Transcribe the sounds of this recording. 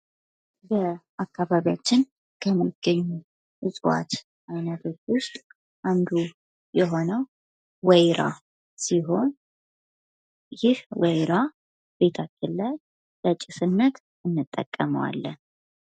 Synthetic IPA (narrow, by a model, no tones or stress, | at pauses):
bəʔakːaβaβijat͡ʃːɪn | kʰəmːiɡ̥əɲːu | ʔɨsʼwa̰t̪ | ʔajnət̪ʰot̪wʊst̪ʼ | ʔand̪u | jɛɦo̞nəw | wɛjɾa̰ | siɦo̞n | jɪhwɛjɾa | be̞t̪ʰakʰːəllaj | lət͡ʃʼːɪsɨnːət̪ | ɨnːɨt̪ʼːə̰kʼːəmə̰wa̰lːən